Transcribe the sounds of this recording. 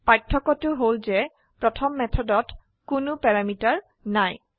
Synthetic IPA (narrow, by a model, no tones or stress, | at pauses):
pɹatʰːɔkɔtʊɦolzɛ | pɹɔtʰɔmːɛtʰɔdɔt | kʊnʊpɛɹamitaɹ | naj